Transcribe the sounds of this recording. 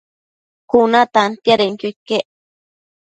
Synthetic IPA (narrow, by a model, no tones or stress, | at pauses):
kunat̪ant̪jaɾeŋkʊkeʔ